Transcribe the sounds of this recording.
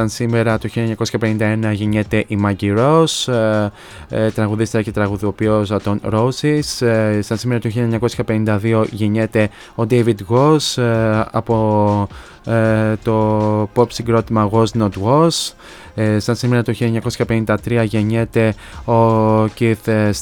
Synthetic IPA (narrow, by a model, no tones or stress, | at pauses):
sɐnsime̞ɾɐt̪uçiʎɐeɲɐko̞sçɐpenind̪ɐe̞nɐʝeɲet̪e̞ʔimɐɟiɾo̞s | t̪ɾɐɣuðist̪eɾɐce̞t̪ɾɐɣuðopiosɐt̪o̞nɾo̞sissɐnsime̞ɾɐt̪uçilʎɐeɲɐko̞sçɐpe̞nind̪ɐðio̞ʝeɲet̪e̞ | o̞d̪ejvid̪ɣosɐ̰po̞ | t̪o̞popsiŋɡɾo̞t̪imɐɣo̞znot̪ɣos | sɐnsimeɾɐt̪uçilʎɐeɲɐkosçɐpe̞nind̪ɐt̪ɾiɐʝe̞ɲe̞t̪e̞ | o̞ciθs